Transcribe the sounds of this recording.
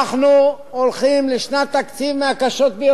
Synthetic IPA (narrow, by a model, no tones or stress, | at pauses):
χnu | olχimleʃnat̪ːakt͡sivmeakaʃo̞t̪̚bej